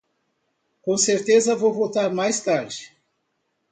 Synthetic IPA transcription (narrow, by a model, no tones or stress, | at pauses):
kõseɾt̪ezɐvowvot̪aɾmajst̪aɾd͡ʒɪ